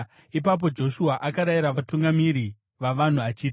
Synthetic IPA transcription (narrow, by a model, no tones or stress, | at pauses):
ip̬ap̬o̞d͡ʒo̞ʃuaʔakaɾajiɾaʋatuŋɡamiɾi | ʋaʋan̤uat͡ʃiːti